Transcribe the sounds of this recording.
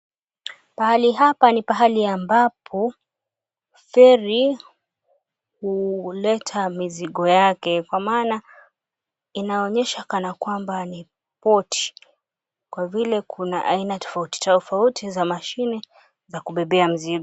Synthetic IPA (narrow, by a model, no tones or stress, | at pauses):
pahaliɦapanipaɦaliambapʰɔ | fɛɾi | hulɛtʰamiziɠɔjakɛkwamaːna | inaɔɲɛʃakanakwambani | pɔtʰi̥ | kwavilɛkʰuna̰ʔainatɔ̥fauti̥tafautʰizamaʃinɛ | zakuɓɛɓɛam̩ziɡɔ